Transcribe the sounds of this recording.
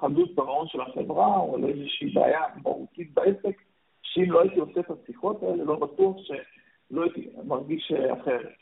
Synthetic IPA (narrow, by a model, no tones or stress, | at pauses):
χadutbaʁao̞nʃe̞laχḛvʁaoa̰lezeʃibḛa̰jaba̰ʁṵtit̪̚baesek | ʃeimlo̞ait̪ioset̪asiχo̞t̪ae̞lelo̞batuaχʃe̞ | lo̞ait̪imaʁɡiʃea̰χe̞ʁet